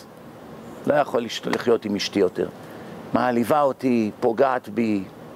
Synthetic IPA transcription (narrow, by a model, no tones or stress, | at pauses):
lo̞jaχo̞liʃlḭχjo̞timiʃtijo̞tḛʁ | maːlivaot̪ipoɡaːt̪bi